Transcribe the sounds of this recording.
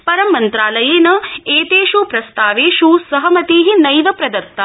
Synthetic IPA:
pɐɾɐmːɐnt̪ɾaːlɐjeːnɐeːt̪eːʃupɾɐst̪aːʋeːʃusɐɦɐmɐt̪iːɦinɐjʋɐpɾɐd̪ɐɾt̪ːɐ

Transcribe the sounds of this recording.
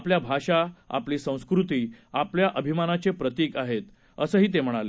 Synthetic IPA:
pljabʱaɕaa̰pliːsə̃w̃skɾut̪iːapljaʔəbʱimanat͡sepɾət̪ikaɦet̪ | əsəːɦiːt̪̬em̤əɽ̃ale

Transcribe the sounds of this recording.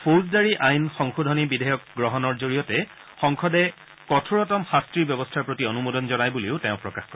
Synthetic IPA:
pʰozdaɹiʔajnxɔŋxudʱɔnibidʱɛjɔk̚ɡɹɔɦɔnɔɹzoɹijɔtɛ | xɔŋkʰɔdɛ | kɔtʰuɹɔtɔmxastɹiɹbjɔbɔstʰaɹpɹotionumodɔnzɔnajbuleʊtẽʊ̃pɹɔkaxkɔɹ

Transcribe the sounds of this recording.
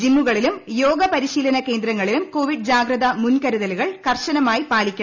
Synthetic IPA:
d͡ʑimmuɣɐɭilumjo̞ːɡɐpɐɾiɕiːlɐnɐke̞ːnd̪ɾɐŋːɐɭilumko̞ːʋiɖd͡ʑaːɡɾɐðɐmunkɐɾuðɐluɣɐɭkɐrɕɐnɐmaːjipaːlikʲːɐ

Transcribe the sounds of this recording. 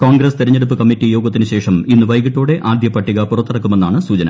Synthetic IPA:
koːŋɡɾɐst̪iɾɐɲːeɽup̬ːɨkɐmːitːijo̞ːɡɐt̪ːinɨɕe̞ːʂɐminːuʋɐjɣiʈːuːɽe̞ʔaːd̪jɐpːɐʈːiɣɐpurɐt̪ːɐɽɐkːumenːaːɳɨsuːt͡ɕɐnɐ̰

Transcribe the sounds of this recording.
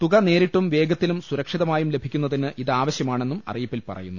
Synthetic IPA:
t̪uɣɐne̞ːɾiʈːumʋe̞ːɡɐt̪ːilumsuɾɐkʂiðɐmaːjumle̞bʱikʲːunːɐðinɨʔiðaːʋɐɕjɐmaːɳe̞nːumɐ̰rijipːilpɐ̰rɐ̰junːu

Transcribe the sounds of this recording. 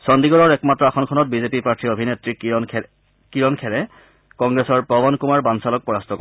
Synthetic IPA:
sɔndiɡɔɹɔɹɛkmatɹɔaxɔnkʰɔnɔt̚bizepipaɹtʰiobʱinetɹi | kiɹɔnkʰɛɹɛ | kɔŋɡɹɛsɔɹpɹɔbɔnkumaɹbansalɔk̚pɔɹastʰɔkɔ

